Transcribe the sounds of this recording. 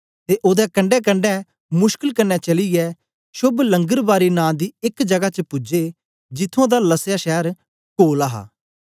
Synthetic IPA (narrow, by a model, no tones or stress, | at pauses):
t̪eːʔoːd̪ɛkɐɳɖɛk̬ə̃ɳɖɛ | mʊʃkəlkənːɛt͡ʃɐlijɛ | ʃʊblə̃ŋɡəɾbaːɾinãːd̪iːɪkd͡ʒɐɡat͡ʃəpʊd͡ʒeː | d͡ʒɪt̪ʰːõːd̪aːləsjaʃɛːɾ | koːlaɦa̰ː